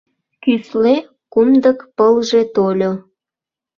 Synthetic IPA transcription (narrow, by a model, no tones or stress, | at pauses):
kysle | kumd̪əkpəlʒet̪olʲo